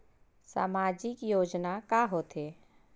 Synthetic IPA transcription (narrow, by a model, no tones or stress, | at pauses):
sa̰ːmaːd͡ʒɪkjoːd͡ʒnakaɦoːt̪eː